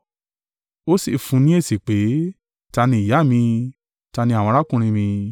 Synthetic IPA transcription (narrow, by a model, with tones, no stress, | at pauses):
o˦si˦˨fũ˧nĩ˦e˦˨si˨k͡pe˨˦ | ta˧nĩ˧i˨ja˨˦˨mĩ˧ | ta˧nĩ˧a˨w̃ɔ̃˧ɾa˦kũ˧ɾ̃ĩ˧mĩ˧